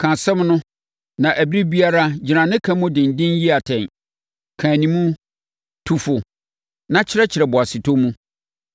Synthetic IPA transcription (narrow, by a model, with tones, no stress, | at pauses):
kʰã˨sɛ̃˦mnʊ̃˦ | nã˨ʔæ˨bi˦ɾi˦bi˦a˦ɾa˦d͡ʑɪ˨nã˨nɪ̃˦kʰã˦mũ˦dɪ̃˨n̩˨dɪ̃˦nji˦a˨tʰɛ̃˨n | kʰãː˨nĩ˨mũ˦ | tʰu˨fʊ˨ | nã˦t͡ɕʰɪ˦ɾɛ˦t͡ɕʰɪ˨ɾɛ˨bɔ˨a˨sɪ˨tʰo˦mũ˦